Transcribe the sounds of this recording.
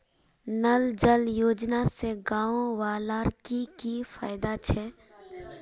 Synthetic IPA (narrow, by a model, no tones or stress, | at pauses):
nəld͡ʒəljoːd͡ʒnaseɡaːowaːlaːɾkikifaːɪd̪at͡ʃʰɛː